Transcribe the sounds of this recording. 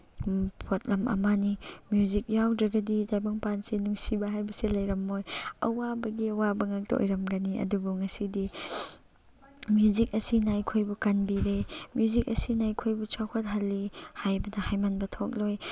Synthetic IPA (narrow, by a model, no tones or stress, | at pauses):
pʰot̚lɐmʔɐ̰manimjuzik̚jawdɾɐɡɐdidajbɐŋpansinuŋsibɐɦajbɐsilɐjɾɐmːojɐ̰wabɐɡiɐwabɐŋak̚tɐo̰jɾɐmɡɐniɐ̰dubuŋɐsidi | mjuzik̚ɐsinajkʰojbukanbiɾemjuzik̚ɐsinajkʰojbut͡ʃawkʰot̚ɦɐlːihajbɐdɐhajmanbɐtʰok̚loj